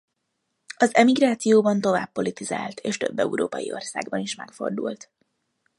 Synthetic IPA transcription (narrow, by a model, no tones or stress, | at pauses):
ɒzɛmiɡraːt̪sijoːbɒnt̪o̞vaːpːo̞lit̪izaːlt̪ʰeːʃt̪øbːɛ̰uɾoːpɒjio̞̰rsaːɡbɒniʃmɛkfo̞̰rd̪ult̪